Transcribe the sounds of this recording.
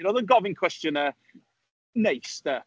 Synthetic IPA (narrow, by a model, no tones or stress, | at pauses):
noðˠənɡɔvɪ̃ŋkʰw̥ɛstjənə | nejstə